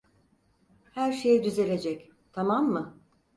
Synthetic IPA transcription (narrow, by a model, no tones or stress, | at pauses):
hæɾʃejid̪yze̞lʲe̞d͡ʒɛc | t̪ʰamamːɯ